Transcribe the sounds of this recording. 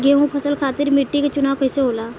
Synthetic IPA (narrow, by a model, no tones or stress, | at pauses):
ɡeɦũpʰəsəlkʰaːt̪iɾmiʈːikat͡ʃunaːwkəjseɦoːla